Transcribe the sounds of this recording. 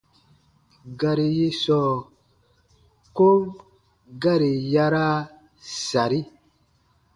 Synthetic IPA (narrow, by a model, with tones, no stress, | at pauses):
ɡa˨ɾi˨ji˦sɔː˦˨ | ko˦ | ɡa˦ɾi˨ja˦ɾa˦ | sa˨ɾi˦